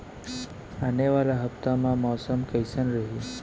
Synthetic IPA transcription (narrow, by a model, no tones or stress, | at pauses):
aneʋalaɦəpt̪amamɔsəmkəjsənɾəɦi